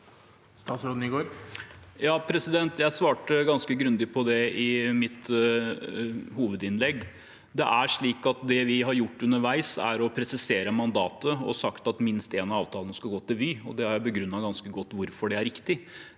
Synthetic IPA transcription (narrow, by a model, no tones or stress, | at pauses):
st̪ɑːt̪sɾoːd̪n̩ɪɡoːɾ | jɑːpʰɾɛsɪd̪ɛnt̪jæɪsʋɑːʈəɡɑnskəɡɾʉnd̪ɪpʰɔd̪ɛɪmɪt̪ | huːʋəd̪ɪnlɛɡː | d̪ɛ̰ʔæʂɭiːkɑt̪̚d̪ɛʋɪɦɑɾjʊʈːʉnːəɾʋæɪsæ̰ɾɔpʰɾɛsɪseːɾəmɑnd̪ɑːt̪əɔ̰sɑkt̪ɑt̪mɪnst̪eːnɑɑːʋt̪ʰɑːlnəskɑɡoːt̪ɪlʋyːɔ̰d̪ɛhɑɾjæɪbəɡɾʉnːɑɡɑnskəɡɔt̪ːʋʊɾfɔɖɛæɾɪkt̪ɪ